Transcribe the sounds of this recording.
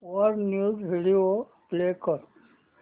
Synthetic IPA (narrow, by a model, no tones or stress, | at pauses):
ɔɾnjuːzbʱiɽio | pleːkəɾ